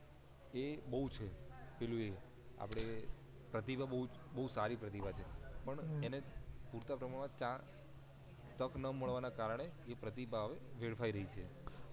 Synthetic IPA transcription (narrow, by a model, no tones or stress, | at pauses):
ebəɦut͡ʃʰepelue | a̰pəɽ̃e | pɾət̪ibʱabəɦud͡ʒbəɦusaɾipɾət̪ibʱat͡ʃʰepəɳenepuɾt̪apɾəmaɳmãt͡ʃã | t̪əknəməɭʋanakaɾəɽ̃eːpɾət̪ibʱaɦəʋeʋeɭfʰaiɾəɦit͡ʃʰe